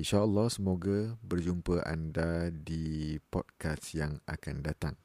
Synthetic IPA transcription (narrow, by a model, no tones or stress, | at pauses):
inʃaəlːɔhsəmoɡabərd͡ʒumpəʔa̰ndadipɔ̰d̚kasjaŋa̰kandat̪aŋ